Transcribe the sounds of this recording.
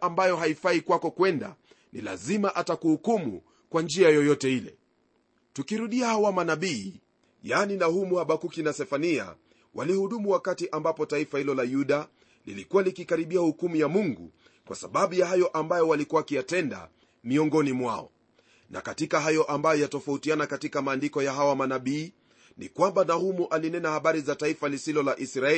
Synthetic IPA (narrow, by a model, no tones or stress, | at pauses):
ʔambajɔɦaifaikwakɔkwɛnda̰ | nḭla̰zimaʔatakuhukumṵ | kwand͡ʒiajɔjɔtɛilɛ̰ | tukiɾuɗiahawamanaɓiː | janinahumuhaɓakukinasɛfania̰ | wʔa̰lihuɗumuwakatiʔambapɔtaifahilɔlajuɗa | lḭlikuwalikikaɾiɓiahukumujamuŋɡṵ | kwʔa̰sa̰ɓaɓujahajɔʔambajɔwalikuwakijatɛnda̰ | miɔŋɡɔnimwa̰ɔ̰ | na̰katikaɦajɔʔambajɔjatɔfautianakatikamaːndikɔjaɦawamanaɓiː | nḭkwambanahumuʔalinɛnahaɓaɾizataifalisilɔlaʔisɾaɛ